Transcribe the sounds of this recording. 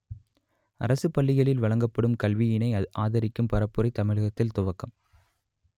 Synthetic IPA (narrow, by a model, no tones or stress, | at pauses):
ɐ̰ɾɐsɯpɐɭːɪɣɐɭɪlʋɐɭɐŋɡɐpːɐɽɯmkɐlʋɪjɪnɐɪʔaːðɐɾɪkːɯmpɐɾɐpːɯɾɐɪt̪ɐmɪɻɐɣɐt̪ːɪlt̪ʊʋɐkːɐm